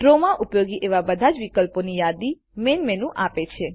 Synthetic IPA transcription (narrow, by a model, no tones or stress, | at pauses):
ɖɾomaʔupjoɡiʔeʋabəd̪ʱad͡ʒʋikəlponijad̪i | menmenũʔapet͡ʃʰe